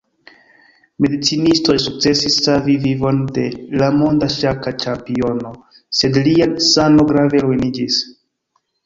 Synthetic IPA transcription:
me̞dit͡sinisto̞jsuk̚t͡se̞sisːavivivo̞nde̞lamo̞ndaʃakat͡ʃampio̞no̞ | se̞dliansano̞ɡɾave̞lujnid͡ʒis

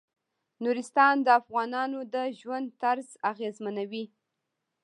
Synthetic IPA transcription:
nuɾɪst̪ɑnd̪əafɣɑnɑnod̪əʒwand̪t̪aɾzaɣezmanawi

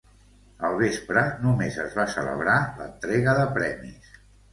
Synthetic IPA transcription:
əlˠβespɾənumezəzβasə̰lə̰β̞ɾalə̰nt̪ɾeɣəðəpɾɛmis

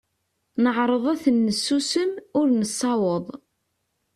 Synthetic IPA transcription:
nəʕɾˤəðˤæθənːəsːusəmʊɾnəsˤːɑwəðˤ

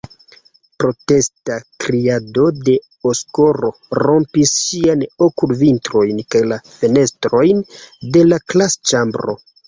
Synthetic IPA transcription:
pɾo̞te̞stakɾiado̞de̞ | osko̞ɾo̞ɾo̞mpisːianokulvintɾo̞jnkajlafe̞ne̞stɾo̞jnde̞laklast͡ʃambɾo̞̰

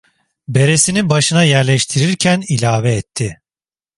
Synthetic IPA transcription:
be̞ɾe̞sinibaʃɯnajæɾlʲɛʃt̪ʰiɾiɾcʰænilʲaːvɛːt̪ʰːɪ

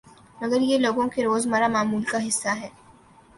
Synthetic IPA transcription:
mɐɡəɾjeloːɡõkeɾoːzmɐɾamaːmuːlkaɦɪsːaɦɛː

